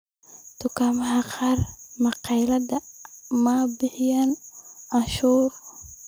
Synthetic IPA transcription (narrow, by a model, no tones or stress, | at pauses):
t̪ʰʊkʰaːmɐɦɐqɑːrmɑqɑjlɐd̪ɐmaːbɪħɪjananʃuːr